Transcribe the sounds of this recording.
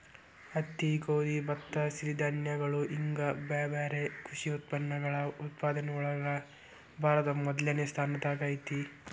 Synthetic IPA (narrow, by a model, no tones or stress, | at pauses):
ɐt̪ːikoːd̪ibɐt̪ːɐsiɾid̪ʱɐnjɐɡɐɭuʔiŋɡɐbaːbaːɾekʰuʂiut̪̚pɐnːɐɡɐɭɐut̪paːd̪ɐneuɭɐɡɐɡɐ | bʱaːɾɐt̪ɐmɐd̪ljɐnest̪ʰaːnɐt̪aɡɐjt̪i